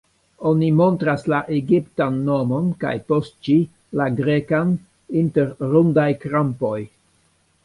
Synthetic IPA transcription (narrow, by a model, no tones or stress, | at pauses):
o̞nimo̞ntɾaslaʔeɡiptanːo̞mo̞nka̰jpo̞st̚t͡ʃi | laɡɾe̞kan | inte̞ɾɾundajkɾampo̞j